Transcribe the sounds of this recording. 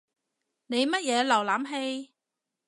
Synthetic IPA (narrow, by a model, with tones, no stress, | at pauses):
ne˨˧jmɐ˥t̚jɛː˨˧lɐ˨˩wlaː˨˥mɦe˧j